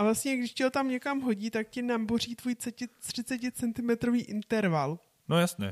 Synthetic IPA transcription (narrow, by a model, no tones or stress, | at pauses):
ʔavlast̪ɲɛɡdɪʃcɛɦo̞t̪amɲɛkamɦo̞ɟiːt̪akcɪnambor̝iːt̪vuːj̪t͡sɛcɪr̝̥ɪt͡sɛcɪt͡sɛnt̪ɪmɛt̪ɾo̞viːʔɪnt̪ɛɾval | nojasɲɛ̰